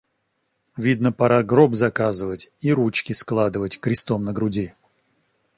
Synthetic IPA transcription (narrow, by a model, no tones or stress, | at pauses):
vʲid̪nəpaɾaɡɾobzɐkazɨvətʲiɾut͡ɕkʲɪsklˠad̪ɨvətʲkɾʲɪst̪omnəɡɾʊdʲi